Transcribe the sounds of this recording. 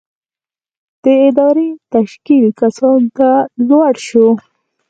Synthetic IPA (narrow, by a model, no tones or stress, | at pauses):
d̪̥əɪd̪ɑɾet̪aʃkilkasɑnt̪azwɑɽʃo